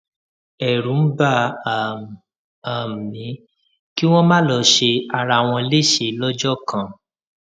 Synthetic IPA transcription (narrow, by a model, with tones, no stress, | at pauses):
ɛ˨ɾũ˨˦n̩˦ba˦˨ | a˨mĩ˨˦ | ki˦w̃ɔ̃˦mãː˦˨lɔ˧˦ʃe˧a˧˨ɾa˧˨w̃ɔ̃˧le˦˨ʃe˧˨˦lɔ˦d͡ʒɔ˦˨kã˦˨